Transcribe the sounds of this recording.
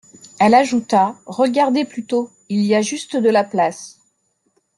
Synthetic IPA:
ɛlaʒut̪aʁəɡaʁd̪eplyt̪o | ilijaʒyst̪d̪əlaplas

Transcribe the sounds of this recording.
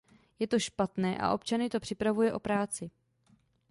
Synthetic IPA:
jɛt̪o̞ʃpat̪nɛːʔa̰ʔo̞pt͡ʃanɪt̪o̞pr̝̥ɪpɾavujɛʔo̞pɾaːt͡sɪ

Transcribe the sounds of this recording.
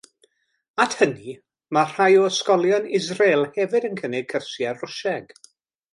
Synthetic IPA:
atʰhəni | mar̥ajɔəskɔlˠjɔnɪzrelˠhɛvɪdənkʰənɪɡ̚kʰərsjaʊʃɛɡ

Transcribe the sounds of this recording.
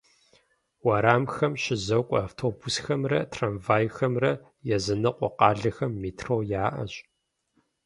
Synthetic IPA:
wɐɾaːmxɐmʃɪzɐwkʷʼɐaːftʰoːbusxɐmrɐtʰraːnvaːjxɐmrɐ | jɛzɨnɐqʷʼɔqɑːɮɐxɐmːiːtʰroːjaːʔɐ̰ɕ

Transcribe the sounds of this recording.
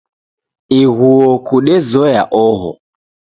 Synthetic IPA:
iɣuɔkuɗɛzɔjaʔɔɦɔ̰

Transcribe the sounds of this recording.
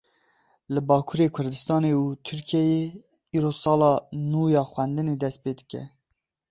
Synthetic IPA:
lɨbɑːkʰuɾeːkʰʊɾd̪ɨst̪ɑːneːuːt̪ʰyɾkʰijɛje | iːɾoːsɑːlɑːnuːjɑːxwɛnd̪ɨneːd̪ɛst̪̚peːd̪ɨkʲɛ̰

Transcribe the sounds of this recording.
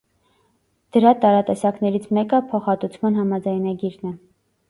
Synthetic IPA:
d̪̥əɾɑt̪ɑɾɑt̪ɛsɑknɛɾit͡sʰmɛkəpʰɔχɑt̪ut͡sʰmɑn̪ɦɑmɑd͡zɑjnɑɡiɾnɛ

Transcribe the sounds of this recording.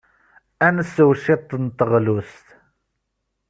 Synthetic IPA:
ænəsːəwʃet̪ˤːnt̪ːəʁlust̪

